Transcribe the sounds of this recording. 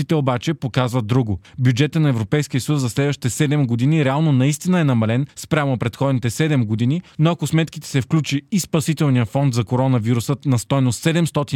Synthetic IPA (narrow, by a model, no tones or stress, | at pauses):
it̪ɛobat͡ʃɛpokazvəd̪ːɾuɡʊbʲjud͡ʒɛt̪ənɐɛvɾopɛjskʲijəsəjuszɐslɛd̪vəʃti̥t̪ɛsɛd̪ɛmɡod̪iniɾɛalˠnonɐist̪inəɛnɐmɐlɛnspɾʲamopɾɛt̪xɔd̪nit̪ɛsɛd̪ɛmɡod̪ininoɐkosmɛt̪kit̪ɛ̥sɛfklʲut͡ʃiːspɐsit̪ɛlˠnijəfɔnd̪zɐkoɾɔnɐviɾusət̪nɐst̪ɔjnosːɛd̪ɛmst̪ɔt̪i